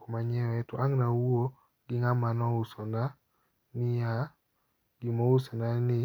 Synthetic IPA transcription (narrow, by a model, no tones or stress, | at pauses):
ɔmaɲɛwɛtoʔaŋnauo | ɡ̥ɪŋamanɔusɔnda | nɪja | ɡimousɔnanɪ